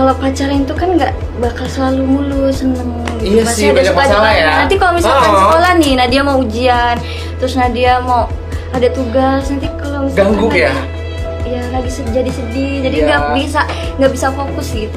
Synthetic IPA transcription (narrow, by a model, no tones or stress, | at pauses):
kalopat͡ʃaɾaint̪ukanŋɡaʔ | bakalsəlalumulusənəŋ | ɡiamasabaaalajanant̪ikalomisalkansəkolahnɪnadiamawud͡ʒian | t̪ɾʊsnadiamaw | adat̪uɡasnant̪ikalomisaɡaŋɡaʊaja | ijalaɡisəd͡ʒadisədid͡ʒadiŋɡaʔbisa | ŋɡaʔbisafokʊsɡit̪u